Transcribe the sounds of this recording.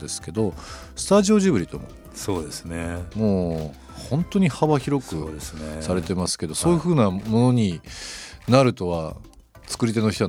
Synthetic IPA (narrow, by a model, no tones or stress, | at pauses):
d̪e̞sɨ̥ke̞d̪o̞ | sɨ̥t̪aʑio̞ʑibɯ̟ɾit̪o̞̰mo̰ | soːd̪esnemo̞ː | hõ̞nt̪o̞ɲ̟ihaβaçiɾo̞kɯ̟d̪esnesaɾe̞t̪e̞masɨ̥ke̞d̪o̞soːjɯ̟ɸɯ̟ːnamo̞no̞ɲ̟i | naɾɯ̟t̪o̞βa | t͡sɨ̥kɯ̟ɾʲit̪e̞no̞çi̥t̪o